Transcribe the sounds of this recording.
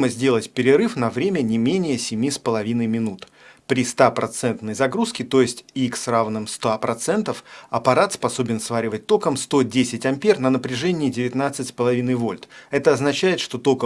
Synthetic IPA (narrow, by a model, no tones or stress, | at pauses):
məzʲdʲe̞lˠətʲpʲɪɾʲɪɾɨfnɐvɾʲemʲənʲɪmʲenʲɪjəsʲɪmʲispəlˠɐvʲinəjmʲɪnut̪ | pɾʲɪst̪apɾɐt̪sɛnt̪nəjzɐɡɾuskʲɪt̪o̞jɪsʲtʲiksravnɨmst̪apɾɐt̪sɛnt̪əfɐpɐɾat̪spɐso̞bʲɪnsvaɾʲɪvət̚ʲt̪o̞kəmst̪o̞dʲesʲɪtʲɐmʲpʲernənəpɾʲɪʐɛnʲɪːdʲɪvʲɪt̪nat̪sɨtʲspəlˠɐvʲinəjvo̞lʲt̪ɛt̪əɐznɐt͡ɕæjɪt̪ʂt̪o̞t̪o̞kə